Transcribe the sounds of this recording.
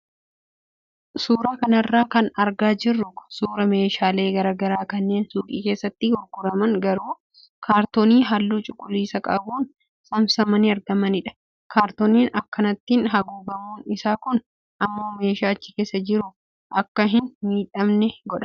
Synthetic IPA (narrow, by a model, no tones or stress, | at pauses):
suːɾaːkɐnɐrːaːkɐnɐɾɡaːd͡ʒɪrːʊkʊ̥suːɾɐme̞ːʃaːle̞ːɡɐɾɐːɡɐɾaːkɐnːe̞ːnsuːkʼiːke̞ːsːɐt̪ːɪɡʊɾɡʊɾɐmɐŋɡɐɾuː | kaːɾt̪oːniːɦalːuːt͡ʃʼʊkʼʊliːsɐkʼɐbuːn | sɐmsɐmɐnɪɐɾɡɐmɐnɪᶑɐ̥ | kʰaːɾt̪oːniːnɐkːɐnɐt̪ːinɦɐɡuːbɐmuːnɪsaːkʊn | ʔɐmːo̞ːme̞ːʃaːt͡ʃːɪ̥ke̞ːsːɐd͡ʒɪɾʊ | ʔɐkːɐɦɪnmiːᶑɐmnɛɡɔᶑɐ̥